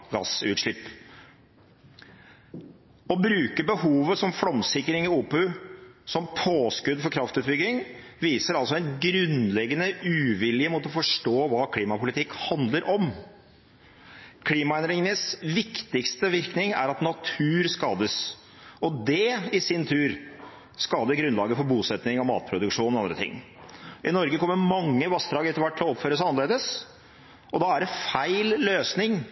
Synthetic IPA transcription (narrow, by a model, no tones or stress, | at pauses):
ɡɑ̰sʉ̰ːt̪ʂɭɪpː | ɔbɾʉːkəbəhuːʋəsɔmfɽɔmsɪkːɾɪŋɪuːpʉsɔmpʰoːskʉd̪fɔɾkʰɾɑft̪ʉːt̪̚bʏɡɪŋ | ʋiːsəɾɑlsɔɛnɡɾʉnlɛɡːənəʉːʋɪlɪəmɔːt̪ɔfɔʂʈoːʋɑːkʰliːmɑpʊlɪt̪ʰɪkːhɑnd̪ləɾʔɔm | kʰliːmɑɛnd̪ɾɪŋənəsʋɪkt̪ɪkst̪əʋɪɾknɪŋæ̰ɾɑt̪nɑt̪ʰʉːɾskɑːd̪əs | ɔd̪ɛɪsɪnt̪ʰʉːɾ | skɑːd̪əɡɾʉnlɑːɡəfɔɾbuːsɛt̪nɪŋɔmɑ̰ːt̪̚pʰɾʊd̪ʉkʂuːnɔɑnd̪ɾət̪ʰɪ̰ŋː | ʔɪnɔɾɡəkɔmːəɾmɑŋːəʋɑst̪ɾɑːɡəɛt̪əɾʋæʈːʰlɔɔpføːɾəsæɑnəleːd̪əs | ɔd̪ɑæɖɛfæɪlløːsnɪŋ